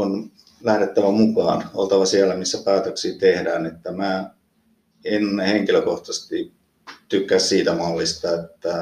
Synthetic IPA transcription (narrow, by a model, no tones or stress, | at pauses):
on | læhɾet̪ːæʋæmukɑ̰ːnolt̪ɑʋɑsiælæmisːæpæːt̪øksiːt̪ehdæːnet̪ːæmæː | enheŋkiløkoht̪ɑst̪i | t̪ykːæssiːt̪æmɑlːist̪ɑet̪ːæ